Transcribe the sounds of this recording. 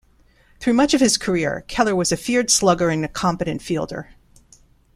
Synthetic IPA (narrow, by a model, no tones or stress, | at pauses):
θɹʉmʌt͡ʃʌv̥ɨz̥kʰə˞ɪɹkʰɛlˠə˞wʌzɨfɪɹd̥slʌɡə˞ɨ̃nɨkʰɑ̃mpɨɾɨ̃ntfilˠdə̰˞